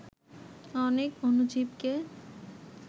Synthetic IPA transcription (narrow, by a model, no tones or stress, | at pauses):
ɔnekonud͡ʑibke